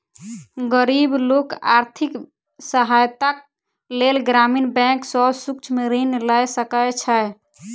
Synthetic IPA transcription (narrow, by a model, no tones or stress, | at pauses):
ɡəɾibloka̰ɾt̪ʰik | səɦajt̪ak̚ | lelɡɾaminbɛ̃ksɔbsukt͡ʃʰmeɾəneləjsəkəjt͡ʃʰəj